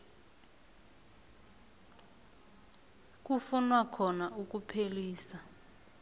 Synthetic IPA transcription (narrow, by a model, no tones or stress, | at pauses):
k̬ufunwakʰɔnaʔuk̬ʼupʰeliːsa